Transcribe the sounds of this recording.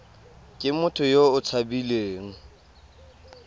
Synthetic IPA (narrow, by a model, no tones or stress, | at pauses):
kʼɪmʊtʰʊjoʊt͡sʰabileːŋ̩